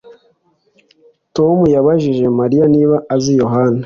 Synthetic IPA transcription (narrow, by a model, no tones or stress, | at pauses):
to̞mujaβaʒiʒe̞maɾijaniːβaazijo̞ɦana